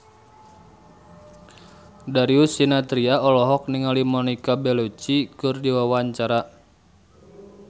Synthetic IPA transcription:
daɾiusinat̪ɾiaɔlɔɦɔk̚niŋalimɔnikabɛlot͡ʃikʊrdiwawaɲt͡ʃaɾa

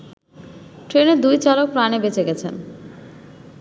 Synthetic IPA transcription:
ʈɾeneɾd̪ujt͡ɕalok̚pɾanebet͡ɕeɡɛt͡ɕʰen

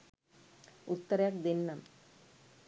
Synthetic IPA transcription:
ut̪ːɐɾɐjak̚d̪inːɐm

